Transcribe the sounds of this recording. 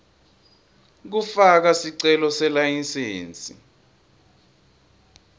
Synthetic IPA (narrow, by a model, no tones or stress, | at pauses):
k̬ufak̬asiǀɛlɔsɛlajinsḛːnt͡sʼḭ